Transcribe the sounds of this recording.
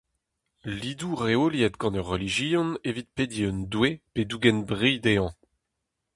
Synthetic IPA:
lid̪uʁeoljɛt̪ɡɑ̃nœʁːeliʒiɔ̃nevit̪̚ped̪iønd̪weped̪uɡɛnbʁid̪eɑ̃

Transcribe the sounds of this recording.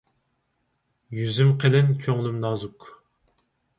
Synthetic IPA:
jyzymqʰelɪnkʲʰøŋlymnɑːzuk

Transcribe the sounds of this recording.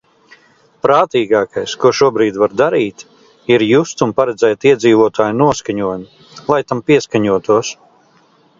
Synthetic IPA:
pɾaːt̪iːɡaːkajskuɔʃuɔbɾiːd̪vaɾd̪aɾiːt̪ | iɾjust̪unpaɾɛd̪zɛjt̪iɛd̪ziːvuɔt̪aːjnuɔskaɲuɔjmi | lˠajt̪ampiɛskaɲuɔt̪uɔs

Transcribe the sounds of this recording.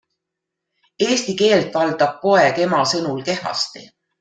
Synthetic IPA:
e̞ːst̪ike̞ːlt̪vɑld̪̥ɑb̥̚ko̞e̞ke̞mɑsɤnulke̞hɑ̰st̪ḭ

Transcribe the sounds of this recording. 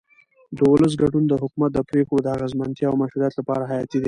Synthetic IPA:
d̪əwʊləs̬ɡaɖund̪əɦʊkumat̪̚d̪əpɾexod̪əaɣazmant̪jɑawmaʃɾuɾijɑt̪lapɑ̰ɾaɦajɑt̪id̪i

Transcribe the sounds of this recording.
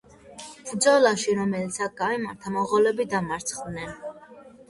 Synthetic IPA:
bɾd̪zɔlaʃiɾɔmɛlit̪sʰak̚ʰɡ̥amimaɾt̪ʰamɔʁɔlɛbid̪amaɾt̪sʰχvnɛn

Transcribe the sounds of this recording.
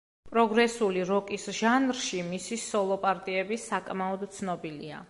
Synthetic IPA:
pʼɾɔɡɾɛsuliɾɔkʼisʒ̥anɾʃimisisɔlˠɔpʼaɾt̪ʼiɛbisakʼmaɔd̪t̪sʰnɔbilḭa̰

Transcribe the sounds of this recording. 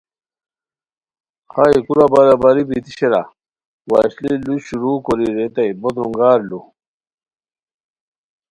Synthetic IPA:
χaikuɾabaɾabaɾibit̪iɕeɾa̰ | wa̰ːɕliluɕuɾuːkoɾiɾet̪ɐjbod̪ɾuŋɡaːɾlu

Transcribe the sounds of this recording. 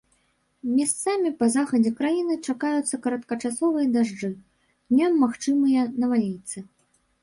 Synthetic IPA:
mʲast̪samʲipɐzaxɐd͡zʲɛkɾajinɨt͡ʂakajut̪sːɐkɐɾɐt̪kɐt͡ʂasɔvɨjɐd̪aʐd͡ʐɨ | nʲamːaxt͡ʂɨmɨjɐnɐvalʲijt̪sɨ

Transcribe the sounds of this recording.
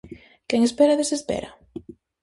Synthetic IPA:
kɛŋespeɾaðesespɛ̰ɾɐ

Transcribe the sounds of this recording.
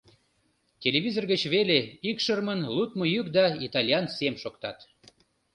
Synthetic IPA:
tʲelʲeβʲizorɣət͡ɕβeleikʃərmənlut̪mojykd̪ɑit̪ɑlʲjɑnsemʃokt̪ɑt̪

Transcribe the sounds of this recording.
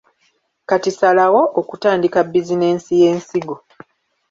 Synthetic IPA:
katisalawo̞ʔokutaːndikabːizine̞ːnsije̞ːnsiɡo

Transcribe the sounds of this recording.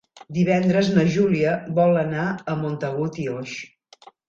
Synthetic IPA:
d̪iβ̞ɛnd̪ɾəznəʒuliəβɔlˠənaəmont̪əɣut̪ioʃ

